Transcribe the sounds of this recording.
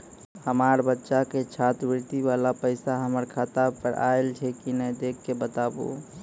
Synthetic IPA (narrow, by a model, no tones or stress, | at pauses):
həmaɾbətːʃaket͡ʃʰat̪bɪɾt̪iʋalapəɪsaɦəməɾkʰat̪apəɾa̰elt͡ʃʰɛkinəjd̪ekʰːebət̪abo̰